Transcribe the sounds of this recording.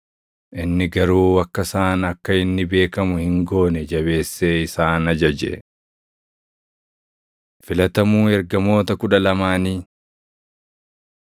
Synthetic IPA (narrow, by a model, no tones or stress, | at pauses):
ʔɪnːɪɡɐɾuːwɐkːɐsaːnɐkːɐɪnːɪbe̞ːkɐmʊhɪŋɡo̞ːnɛd͡ʒɐbe̞ːsːeːɪsaːnɐd͡ʒɐd͡ʒɛ̰ | fɪlɐt̪ɐmuːɛɾɡɐmo̞ːt̪ɐkʊᶑɐlɐmaːniː